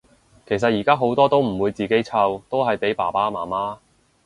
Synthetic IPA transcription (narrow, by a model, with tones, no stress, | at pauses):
kʰe˨˩js̬ɐ˨t̚jiː˨˩kaː˥ɦo˨˥wt̪ɔː˥t̪o˥wm̩˨˩wuː˨˧jt͡siː˨ke˨˥jt͡sʰɐ˧wt̪o˥wɦɐ˨jpe˨˥jpaː˨˩paː˥maː˨˩maː˥